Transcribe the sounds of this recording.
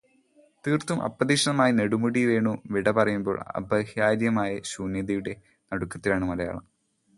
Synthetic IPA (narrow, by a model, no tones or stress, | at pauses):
t̪iːrt̪umʔɐ̰pːɐðiːʂɐɳɐmaːjine̞ɽumuɽiʋe̞ːɳuʋiɽɐpɐrɐjumbo̞̰ːɭɐ̰bɐhjaːɾjɐmaːjɐɕuːnjɐðɐjuɽe̞ | nɐɽukːɐt̪ːilaːɳɨmɐlɐja̰ːɭɐ̰m